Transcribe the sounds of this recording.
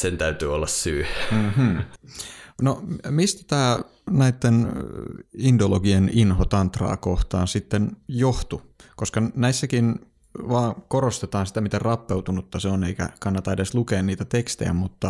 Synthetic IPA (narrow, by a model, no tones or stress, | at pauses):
sent̪æyt̪yːolːɑssyːm̩ːm̩ː | nomist̪æ̥t̪æː | næit̪ːen | indoloɡieninhot̪ɑnt̪rɑ̰ːkoht̪ɑːnsit̪ːenjoht̪u | koskɑnæisːækin | ʋɑːkoɾost̪et̪ɑːnsi̥t̪æmit̪errɑpːeut̪unut̪ːɑseoneikæ̰kɑnːɑt̪ɑedeslukeːnniːt̪æt̪ekst̪ḛjæ̰mut̪ːɑ